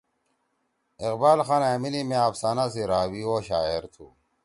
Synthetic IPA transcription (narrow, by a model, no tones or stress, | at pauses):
iqbaːlxaːnaːminimẽafsaːnas̬iɾaːwiwoːɕaːeɾt̪ʰu